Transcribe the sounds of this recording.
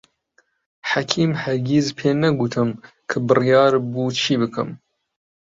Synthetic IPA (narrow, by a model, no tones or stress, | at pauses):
ħakʰiːmhɐɾɡizpʰeːnɐɡut̪ʰɨm | kʰɨbɨrijɑːɾbuːt͡ʃʰiːbɨkʰɨ̰m